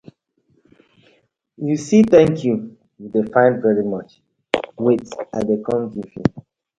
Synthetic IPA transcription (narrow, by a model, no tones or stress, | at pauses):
jusitɛ̃ŋkʰju | judefãɪ̃nvɛɹimʌt͡ʃ | wetaɪdekʰɔ̃mɡivjṵ